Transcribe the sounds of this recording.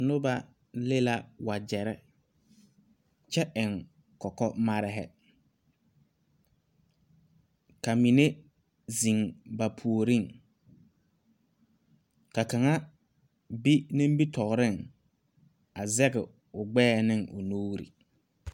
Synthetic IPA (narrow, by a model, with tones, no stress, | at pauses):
nʊ˦ba˦ | le˦la˦wa˨d͡ʒɛ˨ɾɛ˦ | t͡ʃɛ˦ʔɪ˨ŋ | kɔ˨kɔ˦ma˦ɾɪ˦ɦɛ̰˨ | ka˨mi˨ne˦ | zi˨ŋba˨pʰu˨o˨ɾi˦˨ŋ | ka˨ka˨ŋa˦ | bi˦nĩ˦mbi˦tɔ˨ɣɾɪ˦˨ŋ | a˨zɛ˦ɣɪ̰˨ | ʊ˨ɡ͡bɛː˦nɪ˦ŋʊ̰˨noː˦ɾḭ˨